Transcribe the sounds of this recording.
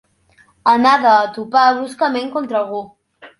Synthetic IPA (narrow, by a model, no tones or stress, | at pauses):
ənaðəːt̪upaβɾuskəmẽŋkont̪ɾəɣo